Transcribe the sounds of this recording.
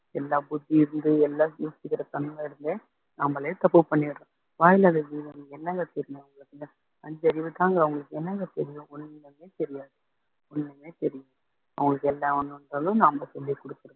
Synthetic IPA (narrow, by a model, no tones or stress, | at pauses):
ɛlːaːbʊd̪ːiɪɾɯnd̪ɯɛlːaːjuːt͡ʃːɯkːɪɾɐt̪ɐnmɐ̃ɪɾɯnd̪eː | naːmɐlɐjet̪ɐpːɯpɐɳːɪʋɪʈːɐ̃ː | ʋaːjlaːðɐʋiːðɐmɛnːɐŋɡɐt̪ɛɾɪjʊ̃ɐʋɐŋɡɐɭɯkːɯ | ɐɲd͡ʒɐɾɪʋɯt̪ːaːŋɡɐːʋɐŋɡɐɭɯkːɯɛnːɐŋɡɐt̪ɛɾɪjʊ̃ɔnːɐmeːt̪ɛɾɪjaːðɯ | ɔnːɐmeːt̪ɛɾɪjʊ̃ | ɐ̰ʋɐŋɡɐɭɯkːɛlːãʋɐnːɯɐndɾaːlʊ̃naːmɐsɔlːikɔɽɯkːɯɾɯ̃